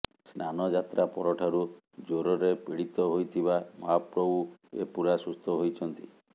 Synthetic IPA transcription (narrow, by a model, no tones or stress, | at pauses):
snanɔd͡ʒat̪ɾapɔɾɔʈʰaɾu | d͡ʒoɾɔɾepiɽit̪ɔɦojt̪ʰibamapɾɔbuḛpuɾasust̪ʰɔɦojt͡ʃʰɔnt̪i